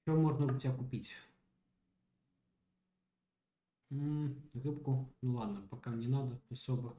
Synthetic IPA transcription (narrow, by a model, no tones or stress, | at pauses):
t͡ʃɔmɔʐnɐʊtʲakʊpʲitʲ | rɪpkʊnulˠɑd̪nɐpɐkɑnʲinɑd̪ɐɔsʲɔbɪ